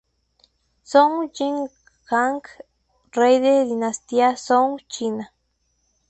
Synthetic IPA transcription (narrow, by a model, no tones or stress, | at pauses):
soŋd͡ʒiŋ | xaŋk | rejd̪ed̪inast̪iasoŋt͡ʃina